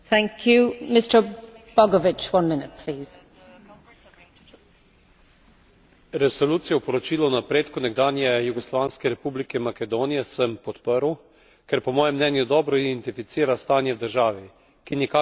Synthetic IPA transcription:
θæ̃ŋkʰjumɪstə˞b̥ɔɡɔvɪt͡ʃwʌ̃nmɪnɪt̚pʰl̥iːz̥ | ɾɛsoluːt̪sijɛwpɔɾɔt͡ʃiːlɔwnapɾeːt̪kunɛɡ̚d̪aːnjɛjuɡɔslʋaːnskɛɾɛpublikɛmakɛd̪oːnijɛsəmpɔt̪pəɾw | kɛɾpɔmɔːjɛmnɛːnjud̪ɔːbɾɔid̪ɛnt̪ifit̪siːɾast̪aːnjɛwd̪əɾʒaːʋi | kinikaː

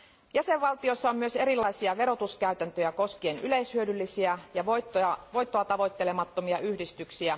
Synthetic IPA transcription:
jæseʋʋɑlt̪iosːɑommyø̞se̞ɾilːɑjsiɑʋe̞ɾo̞t̪uskæyt̪ænt̪øjæko̞skieenyle̞ishyødylːisiæjɑʋot̪ːoɑʋo̞jt̪ːoɑt̪ɑʋo̞jt̪ːe̞le̞mɑt̪ːo̞miɑʔyhdist̪yksiæ

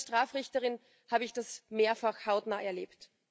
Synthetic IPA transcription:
ʃtʁ̥aːfʁɪçtəʁɪn | haːbəɪçd̥asmeːɐfaxhaʊtnaːɛɐlḛːpt

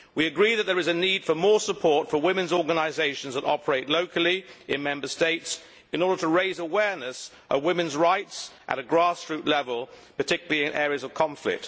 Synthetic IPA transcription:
wiɨɡɹiðɨt̪̚ðə˞ɨzɨnid̥fəmɔɹsəpʰɔɹtfəwɪ̃mɨ̃nzɔɹɡənaɪzeɪʃə̃nzðəɾɑpʰə˞eɪʔˡloʊkʰəl̩ˠiɨ̃nmɛ̃mbə˞steɪts | ɨ̃nɔɹɾdə˞ɾəɹeɪzəwɛɹnɨs | ʔəwɪ̃mɨ̃nzɹaɪtsʔə̰ɾɨɡɹɑstɹ̥ʉˑʔˡlɛvəlˠ | pətʰɪkjl̩ˠiɨ̃nʔɛːɹiɨzʌv̥kʰɑ̃ɱflɪ̰k̚t̚

